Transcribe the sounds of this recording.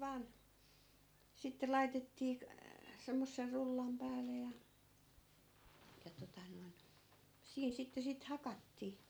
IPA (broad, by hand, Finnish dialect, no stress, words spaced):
ʋɑːn sitːe lɑitetːiː k semːosːer rulːɑm pæːle jɑ jɑ totɑ noin siːn sitːe sit hɑkɑtːiː